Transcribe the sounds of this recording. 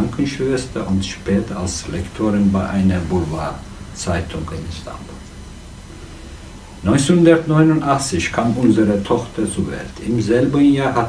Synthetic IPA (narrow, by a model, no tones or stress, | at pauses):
ŋkʰən̩ʃvɛstɐʔʊntʃpɛːtʰɐalslɛktʰoːʁɪnbaɪʔaɪnɐbuvaː | t͡saɪtʰʊŋɪnstʰa̰mbul | nɔʏnshʊndɐtnɔʏnʊntaχt͡sɪçkʰaːmʔʊnzəʁətʰɔχtʰɐt͡suvɛ̰ltʰɪmzɛlbənjaːɐɦa